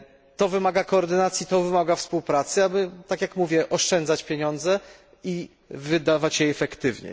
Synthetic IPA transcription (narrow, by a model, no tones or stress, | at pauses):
t̪ɔvɘmaɡakɔːɾd̪ɘnat̪sʲjit̪ɔvɘmaɡafspuwpɾat̪sɘabɘt̪akjakmuvʲjɛʔɔʂt͡ʂɛnd̪zat͡ɕpʲjeɲɔnd̪zɛ | i | vɘd̪avat͡ɕjɛɛfɛkt̪ɘvɲɛ̰